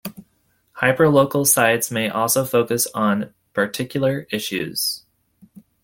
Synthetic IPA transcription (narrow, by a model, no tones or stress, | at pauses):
haɪpə˞loʊkl̩ˠsaɪtsmeɪʔɔlˠsoʊfoʊkɨsn̩ | pʰə˞tʰɪkjl̩ˠə˞ɪʃʉ̰z̥